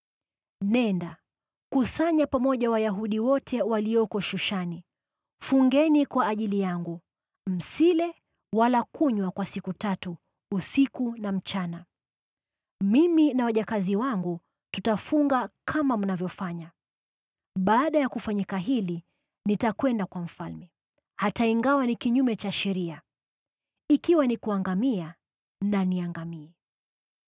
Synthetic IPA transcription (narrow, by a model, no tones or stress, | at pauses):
nɛnda | kusaɲapamɔʄawajaɦuɗiwɔtʰɛwalijɔkɔʃuʃani | fuŋɡɛnikwaʔːʄilijaŋɡu | m̩silɛ | walakuɲwakwasikutatuː | sikunam̩t͡ʃana | miminawaʄakaziwaŋɡu | tutafuŋɡakʰamam̩navjɔfaɲa | ɓaːɗajakufaɲikaɦili | nitakwɛndakwam̩falmɛ | hataiŋɡawanikiɲumɛt͡ʃaʃɛɾia | ikiwanikuaŋɡamia | naniaŋɡamiɛ